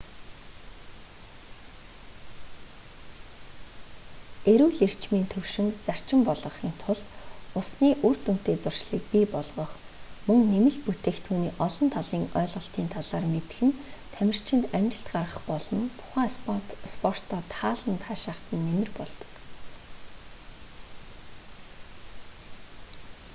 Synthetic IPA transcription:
eɾuːɮir̥t͡ɕmiːnt̪ʰɵwʃɪ̆ŋt͡sar̥t͡ɕɪ̆mpɔɮʁɞ̆χiːnt̪ʰʊɮʊsniːʔur̥t̪ɵn̥t̪eːt͡sʊr̥ʃɮiːk̚piːpɔɮʁɞ̆χ | mɵ̆ŋnemɘ̆ɮput̪eːxt̪ʰuːniːʔɔɮɞ̆nt̪ʰaɮiːŋœːɮʁə̆ɬt̪iːnt̪ʰaɮaːrmet̪̆xɘ̆nt̪ʰæmʲɪ̆r̥t͡ɕʰɪ̆nt̪æmʲt͡ɕɪ̆ɬt̪ɢarʁə̆χpɔɮɞ̆nt̪ʰʊ̥χæːspɔr̥t̪ɔːt̪ʰaːɮə̆nt̪ʰaːʃaːχt̪ə̆nːemɪ̆rpɔɮt̪ɞ̥̆k

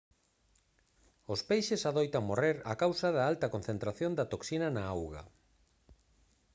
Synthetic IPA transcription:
ʊspejʃɪsaðojt̪amoreɾa̰kawsɐðaalt̪ɐkon̟θent̪ɾaθjond̪ɐt̪oksinɐnaawɣa̰

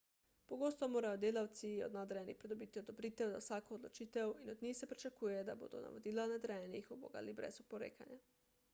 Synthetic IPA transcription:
poɡoːst̪ɔmoːɾajod̪eːlawt̪sio̰d̪nad̪ɾɛjɛnixpɾɛd̪obit̪iod̪obɾiːt̪ɛwza̰wsaːkoːd̪lot͡ʃiːt̪ɛwinod̪ɲixsɛpɾit͡ʃakuːjɛd̪abo̰ːd̪o̰na̰ʋod̪ilanad̪ɾajɛnixubo̰ːɡa̰libɾɛ̰supoɾḛːkanja

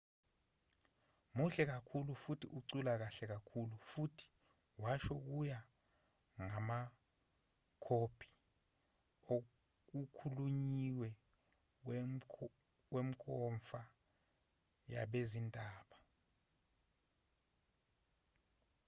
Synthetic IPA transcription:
muɬɛk̬akʰulufutʰiʔuǀulak̬aɬɛk̬akʰulufutʰi̥ | waʃɔk̬uja | ŋama | kʰopʰi̥ | o | k̬ukʰuluɲiwɛ | wem̩kʰʼɔɱfa | ja̰ɓezintʼaːɓa

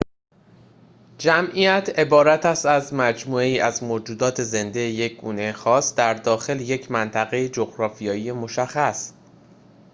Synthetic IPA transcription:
d͡ʒæmʔijæt̪ʰe̞bɒːɾæt̪ʰæst̪æzmæd͡ʒmuːeiːʔæzmoːd͡ʒuːd̪ɒːt̪ʰe̞ze̞nd̪eje̞c̚ɡ̥ṵːne̞jxɒːsd̪̥æɾd̪ɒːxe̞lje̞cʰmænt̪ʰæɣe̞jed͡ʒoɣɾɒːfijɒːije̞mo̞ʃæxːæs

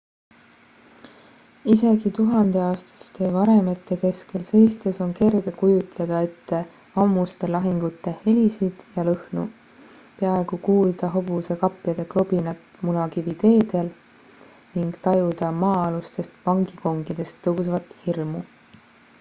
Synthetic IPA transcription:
ise̞ɡit̪uɦɑnd̪̥e̞ɑːst̪ɑ̥st̪e̞ːvɑɾeme̞t̪ːˑe̞ke̞ske̞lse̞jst̪eso̞nke̞rɡ̥e̞kujut̪le̞d̪̥ɑet̪ːe̞ | vɑmːust̪e̞lɑɦiŋɡ̥ut̪ːˑe̞he̞lisid̪̥jɑlɤhnṵ | peɑe̞ɡ̥ukuːld̪̥ɑɦo̞b̥use̞kɑpːˑjɑd̪̥e̞klo̞b̥inɑt̪ːmunɑkivit̪e̞ːd̪̥e̞l | niŋɡ̥t̪ɑjud̪̥ɑmɑːɑlust̪e̞st̪pɑŋɡiko̞ŋɡ̥id̪̥e̞st̪ːɤwsvɑt̪hirmu

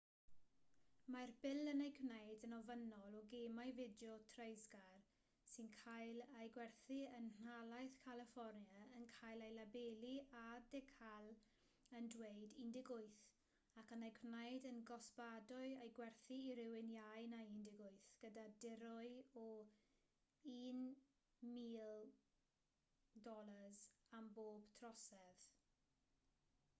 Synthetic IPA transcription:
marbɪlˠənejkʰwnejdənɔvənɔlˠɔɡemajvɪdjɔtʰrejzɡar | sɪnkʰajlajɡwɛrθiənn̥alˠajθkʰalɪfɔrnjaənkʰajlajlabeliadɛkʰalˠ | əndwejdindɪɡʊɨθ | akənajkʰnajdənɡɔsb̥adɔɨejɡwɛrθiːɾɪwɪnjajnaindɪɡʊɨθɡ̥ədadɪɾɔɨɔ | iːn | miːlˠ | dɔlˠəzamboːb̥tʰrɔsɛð

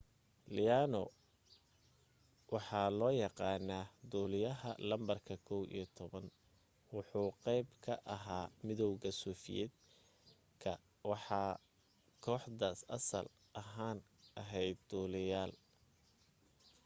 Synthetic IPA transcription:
lɪjaːnɔ | wɑħɑːlɔːjɑqɑːnaːd̪uːlɪjɐɦɐ̰lɐmbɐrkʰɐkʰɔwʔḭjɐt̪ʰɔβɐn | wʊħuːqɛjbkʰɐʔɐɦaːmɪðɔwɣɐsuːfɪ̰jɛ̰d̪ | kʰɐ | wɑħɑː | kʰɔːħdaːsɐ̰sɐ̰l | ʔɐɦaːn | ʔɐɦɛjd̪̚ːuːlɪjaːl

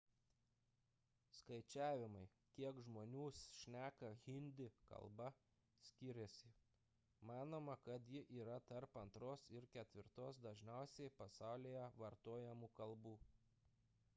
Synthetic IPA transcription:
skɐɪt͡ʃʲæːʋʲɪmɐɪ | kʲiɛkʒmoːnʲuːsʃʲnʲæːkɐɣʲɪnʲd̪ʲɪkɐ̰lˠbɐ | sʲkʲɪɾʲɛsʲɪ | mɑːnoːmɐkɐt̪jɪʔiːɾɐt̪ɐɾpɐnt̪ɾoːsɪɾkʲɛt̪ʲʋʲɪɾt̪oːsd̪ɐʒʲnʲɛˑʊsʲɛɪpɐsɑˑʊlʲeːjɛʋɐɾt̪oːjɛmuːkɐlˠbuː

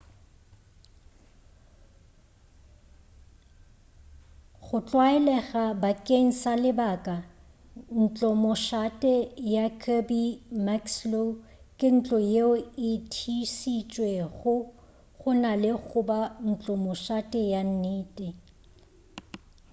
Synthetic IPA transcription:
ɣʊt͡ɬʼwaɛlɛɣabakʼeŋ̩salɪbakʼa | n̩t͡ɬʼɔmʊʃatʼɛjakʰabimakslokʼɪn̩t͡ɬʼɔjeʊɪtʰisit͡ʃʼweɣʊ | ɣʊnalɪɣʊban̩t͡ɬʼɔmʊʃatʼɛjan̩niːtʼɪ

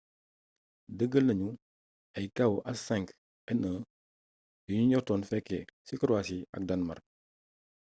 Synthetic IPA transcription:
dəɡəlnɐɲu | ajkawʔasɛ̃ŋk | ɛnə | juɲuɲɔtɔnfɛkːɛsikəɾwasia̰k̚danmaɾ

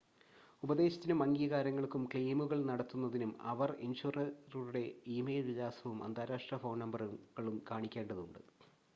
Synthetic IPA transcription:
ubɐðe̞ːɕɐ̥t̪ːinumɐŋɡijɐɣaːɾɐŋːɐɭkumkɭiːmuɣɐɭnɐɽɐt̪ːunːɐðinumɐ̰ʋɐrḭnɕuːrɐruɾuɽe̞iːmejlʋijaːsɐʋumʔɐ̰nd̪ʱaːɾaːʂʈrɐfoːɳnɐmbɐrɣɐɭumkaːɳikʲːe̞ːɳɖɐðuɳɖɨ̰

